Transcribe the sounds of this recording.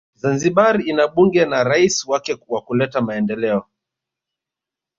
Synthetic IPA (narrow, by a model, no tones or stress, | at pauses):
zanziɓaɾiinaɓuŋɡɛnaɾaiswakɛwakulɛtamaɛndɛlɛɔ